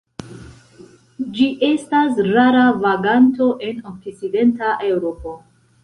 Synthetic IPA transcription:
d͡ʒiʔe̞stasɾaɾavaɡanto̞ʔe̞nok̚t͡st͡side̞ntaʔe̞wɾo̞po̞

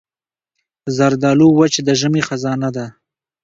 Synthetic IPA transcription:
zaɾd̪ɑluwat͡ʃed̪əʒəmexazɑnad̪a

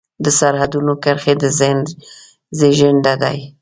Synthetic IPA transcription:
d̪əsaɾhad̪unokəɾxed̪əz | zeʒɪɳɖad̪aj

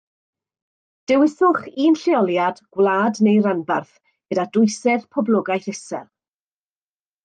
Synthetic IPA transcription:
d̥ɛwɪsʊχiːnɬɪɔlˠjadɡ̥wlaːdnejɾanbarθ | ɡ̥ədadʊɨsɛð̥pʰɔblˠʊɡajθɪsɛ̰l

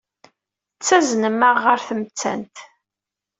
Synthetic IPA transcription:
ət͡sːæznəməʁːəɾθəmt͡sːæ̰nt̪

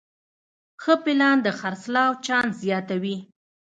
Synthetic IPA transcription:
xəpɪlɑnd̪əxaɾslɑwt͡ʃɑnzjɑt̪awi

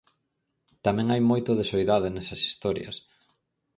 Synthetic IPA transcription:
t̪amɛ̃ŋajmojt̪ʊðesojðaðɪnɛsɐsi̥st̪ɔɾjɐ̰s

